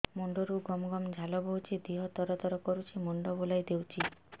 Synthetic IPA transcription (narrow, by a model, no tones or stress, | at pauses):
mɔɳɖɔɾuɡɔmɡɔmd͡ʒʱalɔbʱɔwt͡ʃʰid̪iɦɔt̪ɔɾɔt̪ɔɾɔkɔɾut͡ʃʰimɔɳɖɔbolajd̪ewt͡ʃʰi